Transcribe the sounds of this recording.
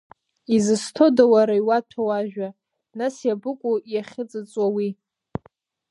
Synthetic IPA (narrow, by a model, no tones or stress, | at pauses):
izɨstʰodawaɾaiwatʷʰawaʒᶣa | nasjabɨkʷʼujaχʲɪt͡sʼɨt͡sʼwawi